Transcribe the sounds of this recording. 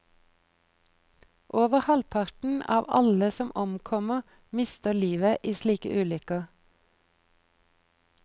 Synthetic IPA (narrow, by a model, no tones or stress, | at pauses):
ʔoːʋəʁhɑlpʰɑʁʈn̩ɑ̰ːʋɑ̰ləsɔmʔɔmkʰɔməʁ | mɪst̪əliːʋəʔiːsliːkə̰ʔʉːlʏkə